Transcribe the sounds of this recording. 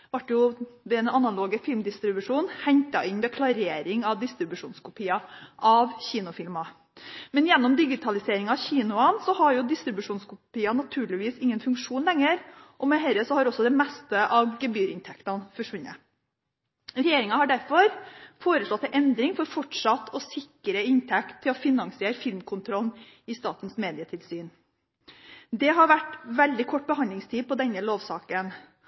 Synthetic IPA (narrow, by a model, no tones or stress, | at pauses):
ʋɑʈjʊʋɛɛnɑnɑloːɡəfɪlmd̪ɪst̪ɾɪbʉʂuːnhɛɲt̪ɑʔɪnʋɛkʰlɑɾeːɾɪŋɑʋd̪ɪst̪ɾɪbʉʂuːnskʰʊpʰiːɑʔɑʋçiːnʊfɪlmɑ | mɛnjɛnːɔmd̪ɪɡɪt̪ʰɑlɪseːɾɪŋɑçiːnʊɑnsɔhɑɾjʊd̪ɪst̪ɾɪbʉʂuːnskʊpiːɑnɑt̪ʰʉːɭɪʋiːsɪŋːənfʉŋkʂuːnlɛŋːəɾʔɔmɛɦɛɾəsɔhɑɾɔsːɔd̪ɛmɛst̪əʔɑʋɡɛbyːɾɪnt̪ʰɛkt̪ɑnfɔʂʋʉnːə̰ | ɾɛjeːɾɪŋɑhɑɖæɾfɔɾfoːɾəslɔt̪ːɛʔɛnd̪ɾɪŋfɔɾfɔʈʂɑt̪ːʰɔsɪkːəɾəɪnt̪ʰɛkt̪ʰːɪlɔfɪnɑŋsɪeːɾfɪlmkʰʊnt̪ʰɾɔln | ɪst̪ɑːt̪n̩smeːd̪ɪət̪ʰɪlsyːn | d̪ɛɦɑɾʋæʈʋɛld̪ɪkʰɔʈ̚ːbəhɑnlɪŋst̪ʰiːpɔd̪ɛnːəloːʋsɑːkən